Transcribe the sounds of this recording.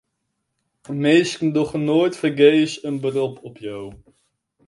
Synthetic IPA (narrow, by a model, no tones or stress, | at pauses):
mejskəndɔχnoːjtfərɡejsənbərɔpɔpʰjaw